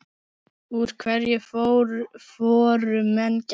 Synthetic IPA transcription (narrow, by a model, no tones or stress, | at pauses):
uɾ̥kʰvɛɾjɛfoɾfɔːɾʏmɛnc